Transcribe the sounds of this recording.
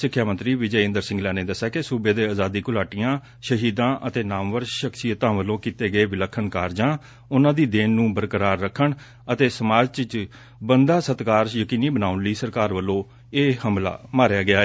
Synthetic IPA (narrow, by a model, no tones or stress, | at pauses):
sɪkʰːjaːmənt̪ɾiːʋɪd͡ʒəɪ̃nd̪əɾsɪ̃ŋɡlɛːneːd̪əsaːkɪsuːbeːd̪eːaːzaːd̪iːkʊlaːʈɪjãː | ʃəɦiːd̪ãːʔət̪eːnaːmʋəɾʃəksijət̪ãːʋəlõːkiːt̪eːɡəeːʋɪləkʰːənkaːɾd͡ʒãː | ʊnãːd̪iːd̪eːnːũːbəɾkəɾaːɾːəkʰːəɳ | ət̪eːsəmaːd͡ʒt͡ʃət͡ʃ | bənd̪aːsət̪kaːɾjəkiːniːbənaːʊnliːsəɾkaːɾʋəlːõː | eːhəmla̰ːmaːɾjaːɡɪaː